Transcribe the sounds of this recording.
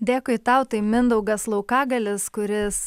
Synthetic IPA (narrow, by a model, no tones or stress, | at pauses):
d̪ʲeːkʊɪt̪ɑʊt̪ɐɪmʲɪnd̪ɐʊɡɐslˠɐʊkɑːɡɐlʲɪskʊɾʲɪs